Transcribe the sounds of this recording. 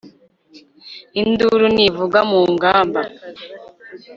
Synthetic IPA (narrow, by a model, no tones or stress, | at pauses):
induɾunivuɡamuːŋɡaːmba